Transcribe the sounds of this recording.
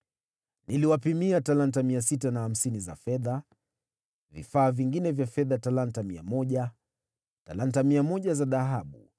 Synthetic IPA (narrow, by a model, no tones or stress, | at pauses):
niliwapimiatalant̬amiasitanaham̩siniza̰fɛða | vḭfaːviŋɡinɛvjafɛðatalantamia̰mɔʄa | talantamiamɔʄazaðaɦaɓu